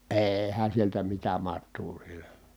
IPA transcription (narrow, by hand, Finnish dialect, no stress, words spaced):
eːhæn̞ sieltæ mitæ mɑtˑuː siel̥æ̥